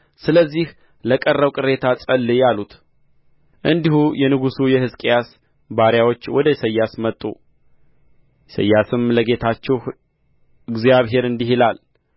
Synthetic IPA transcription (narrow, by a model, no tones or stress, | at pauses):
sɨləzːih | ləkʼərːəwkʼɨɾe̞t̪ʰat͡sʼəlːɨjalut̪ | ʔɨnd̪ihujɛnɨɡusujɛhɨzkʼjas | baɾjawo̞t͡ʃːwɔd̪əsəjːasmət̪ʼːṵ | jsə̰jːasɨmləɡe̞t̪ʰat͡ʃːɛwh | ɨɡzjaβɦe̞ɾɨnd̪iɦilal